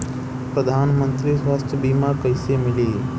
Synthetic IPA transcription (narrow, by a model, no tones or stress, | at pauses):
pɾəd̪ʱaːnmə̃nt̪ɾisʋaːst̪ʰjəbiːmakəɪsemɪliː